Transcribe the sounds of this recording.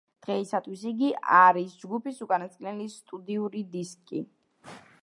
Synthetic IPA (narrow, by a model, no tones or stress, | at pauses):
d̪̥ʁɛisat̪ʰwisiɡiʔaɾisd͡ʒɡupisukʼanat̪sʼkʼinɛlist̪ʼud̪iuɾid̪iskʼi